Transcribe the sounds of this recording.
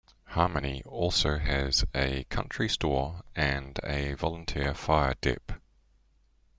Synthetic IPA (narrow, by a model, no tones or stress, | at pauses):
hɑːməniɔˑlˠsəʊɨzəkʰʌ̰̃nt͡ʃɹ̥istɔːɨ̃nəvɒlˠə̃ntʰɪəfaɪə̰d̥ɪ̰p